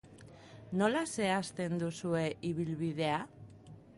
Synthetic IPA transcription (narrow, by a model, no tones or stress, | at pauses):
no̞lase̞ast̪e̞nd̪usue̞ʔiβ̞ilβiðe̞a